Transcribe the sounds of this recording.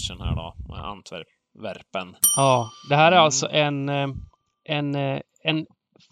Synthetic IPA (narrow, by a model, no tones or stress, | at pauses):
ʂənhæ̰ːɖɔ̰mɛ̰a̰nt̪ʰvæ̰ɾp | væɾpənɑːd̪ɛɦæːɾæɾalt̪sɔʔɛn | ʔɛn | ɛn